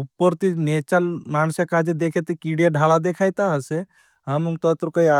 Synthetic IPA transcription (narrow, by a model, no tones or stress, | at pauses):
upːəɾt̪inet͡ʃalmaːnsakad͡ʒed̪ekʰet̪ikiɖjaɖʱalad̪ekʰaːjt̪aɦəse | ɦəmuŋt̪ət̪ɾkəia